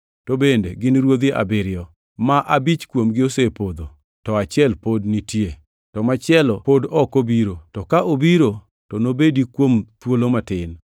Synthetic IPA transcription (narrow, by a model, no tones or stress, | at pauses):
tobendeɡɪnɾwod̪eʔa̰bɪɾɪɔ | maʔabit͡ʃkwomɡɪosepod̪o | tɔat͡ʃɪɛlpodnitje | tɔmat͡ʃɪɛlɔpodɔkobiɾotɔkaʔobiɾo | tɔnobedikwomt̪wolomatɪn